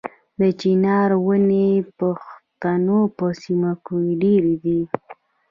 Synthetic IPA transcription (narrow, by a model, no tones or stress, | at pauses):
d̪ət͡ʃinɑɾwənepaxt̪anopəsimakuɖeɾid̪i